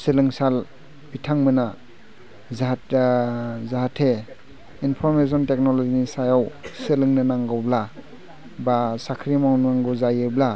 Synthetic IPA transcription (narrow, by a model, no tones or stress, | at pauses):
sɯlɯŋsal | bitʰaŋmɯna | z | zaɦatʰe | inpʰɔɾmes̬ɔntek̚nɔlɔzinisajawsɯlɯŋnɯnaŋɡawbla | basakʰɾimawnaŋɡɯwzajɯbla